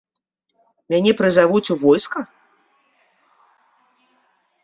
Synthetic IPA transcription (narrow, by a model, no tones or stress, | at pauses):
mʲanʲɛpɾɨzavut͡sʲuvɔjskɐ